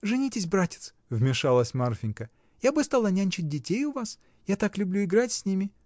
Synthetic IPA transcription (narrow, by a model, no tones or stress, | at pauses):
ʐɨnʲitʲɪsʲbɾatʲɪ̥t̪s | vmʲɪʂalˠəsʲmarfʲɪnʲkə | jabɨst̪alˠanʲanʲt͡ɕɪt̚ʲdʲɪtʲejʊvas | jat̪aklʲʊblʲuɪɡɾatʲsʲnʲimʲɪ